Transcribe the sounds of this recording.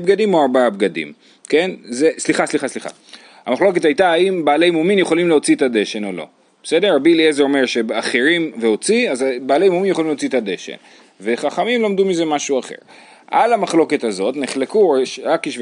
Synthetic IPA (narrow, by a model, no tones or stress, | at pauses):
bɡadimoaʁbaabɡadḭm | ke̞nzesliχasliχasliχa̰ | a̰maχlo̞k̬e̞thajtaaimbaːlejmominjeχo̞limleo̞t͡sietade̞ʃe̞no̞lo̞̰ | b̥ese̞deʁːabiliezo̞me̞ʁʃe̞aχeʁimve̞o̞t͡siazbaːle̞jmouminjeχoimlt͡siet̪ad̪e̞ʃḛn | ve̞χaχamimlomdumize̞maʃuaχe̞̰ʁ | ʔa̰lamaχlo̞ke̞t̪hazo̞tneχlekuʃʁakiʃ